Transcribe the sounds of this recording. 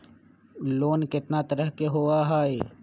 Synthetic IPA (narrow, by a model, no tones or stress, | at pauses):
loːnkɪt̪nat̪əɾəɦkeɦoaɦaːe